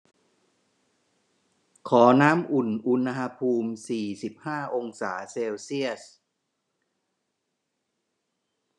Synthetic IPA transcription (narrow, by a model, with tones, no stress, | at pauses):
kʰɔː˩˦naː˦˥mʔu˨˩nʔu˧na˧ɦa˧pʰuː˧msiː˨˩si˨˩p̚haː˥˩ʔo˧ŋsaː˩˦seː˧wsi˥˩əs